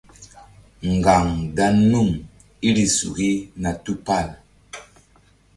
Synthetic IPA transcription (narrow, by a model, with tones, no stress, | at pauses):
ŋ̩˨ɡa˨ŋɡa˦nu˦˨ŋ | i˦ɾi˨su˨ɡi˦na˨tu˦pa˦˨l